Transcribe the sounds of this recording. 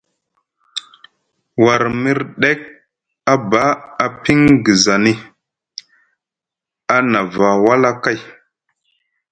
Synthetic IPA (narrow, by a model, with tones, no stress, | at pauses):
wa˨ɾmi˦ɾɗe˦k̚ | a˦ba˦a˨pi˦ŋɡi˨za˨ni˦ | a˦na˨va˨wa˦la˦ka˦j